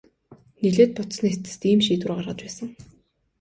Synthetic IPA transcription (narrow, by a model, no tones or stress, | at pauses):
niɮeːt̪̚pʊt̪snet͡s̪ɘ̥̆st̪iːmʃiːt̪ŭrɢarʁə̆t͡ɕ̪pæːsə̆ŋ